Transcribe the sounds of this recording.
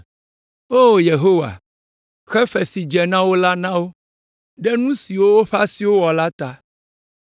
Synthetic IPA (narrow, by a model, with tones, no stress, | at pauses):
o˦˨je˨ɦo˦wa̰˨ | xɛ˦ɸɛ˨si˨d͡ʒɛ˨nã˦wo˦la˦nã˦wo˦ | ɖɛ˦nũ˦si˨wo˦wo˦ɸa˦si˨wo˦wɔ˨la˦t̪a˦